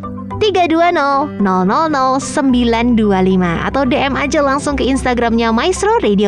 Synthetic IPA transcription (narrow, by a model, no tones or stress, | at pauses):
t̪iɡaduanɔlnɔlnɔlnɔlsəmbilandualimaa̰t̪awdeʔɛmad͡ʒalaŋsʊŋkəinst̪aɡɾamɲamajst̪ɾoɾedio